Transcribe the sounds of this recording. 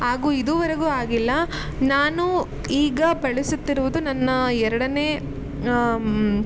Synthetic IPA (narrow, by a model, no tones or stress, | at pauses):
ɦaːɡuːid̪uːʋɐɾɐɡuːaːɡilːɐ | naːnu | iːɡɐbɐɭisut̪ːiɾuʋud̪unɐnːɐɛɾɐɽɐneː